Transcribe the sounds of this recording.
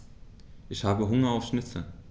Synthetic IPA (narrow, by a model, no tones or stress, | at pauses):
ɪçhaːvəɦʊŋɐawfsnɪt̪ə